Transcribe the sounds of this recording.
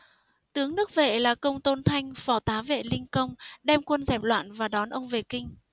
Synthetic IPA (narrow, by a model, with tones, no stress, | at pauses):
t̪ɨ˨˦əŋnɨ˦˥ək̚vḛ˧˨laː˨˩kə˧wŋ͡mt̪o˧nt̪ʰa˧jŋ̟fɔ˧˩t̪aː˨˦vḛ˧˨lï˧ŋkə˧wŋ͡mɗɛ˧mkwə˧nzɛ˨˩p̚lwa̰ː˧˨nvaː˨˩ɗɔ˨˦nʔə˧wŋ͡mve˨˩kï˧ŋ̟